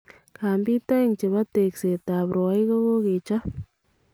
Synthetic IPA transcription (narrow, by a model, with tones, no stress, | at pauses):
ka˨mbi˦t̪a˦jŋt͡ʃi˨βa˦t̪e˨kse˨t̪a˨pɾo˨a˦jko˦ɣo˦ke˨t͡ʃa˦